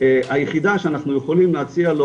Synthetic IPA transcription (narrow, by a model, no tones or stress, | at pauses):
eajeχid̪aʃeanaχnujeχolimleat͡sialo